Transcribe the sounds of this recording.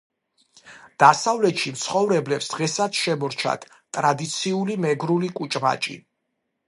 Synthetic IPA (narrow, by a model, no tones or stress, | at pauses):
d̪̥asavlɛt̪ʃimt̪sʰχɔvɾɛblɛpsd̪̥ʁɛsat̪sʃɛmɔɾt͡ʃʰa̰t̪ʰ | t̪ʼɾad̪it̪sʰiulimɛɡɾulikʼut͡ʃʼma̰t͡ʃʼḭ